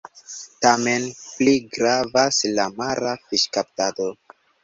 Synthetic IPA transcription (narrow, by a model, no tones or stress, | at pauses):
tame̞npliɡɾavaslamaɾafiʃkap̚tado